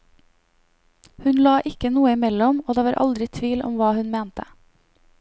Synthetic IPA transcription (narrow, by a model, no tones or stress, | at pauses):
hʉnlɑːʔɪkənuːəɪmɛlɔmoːd̪eːʋɑːɾʔɑ̰ld̪ɾɪt̪ʰʋiːlʔɔ̰mʋɑːhʉnmeːnt̪ə